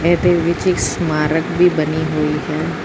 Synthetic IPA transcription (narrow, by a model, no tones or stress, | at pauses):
ɛːd̪eʋɪt͡ʃɪksmaːɾəkbʱibəniɦoːiɦɛː